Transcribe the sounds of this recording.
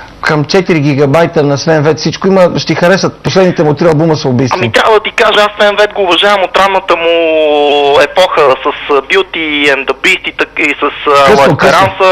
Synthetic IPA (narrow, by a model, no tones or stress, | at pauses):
kəmt͡ʃɛt̪iɾiɡ̟iɡɐbajt̪ənɐsvɛnvɛt̪sit͡ʃkoiməʃt̪ɛixɐɾɛsət̪̚poslɛd̪nit̪ɛmʊt̪ɾiɐlˠbuməsobismiot̪ɾʲavəd̪ɐt̪ikaʒəasːvɛnvɛt̪ɡoːvɐʒavɐmot̪ːɾanmːət̪əmʊ | ɛpɔxəsəsbjut̪iɛnd̪ɐbɾist̪it̪əisɐskəlˠɐok̪ɾansə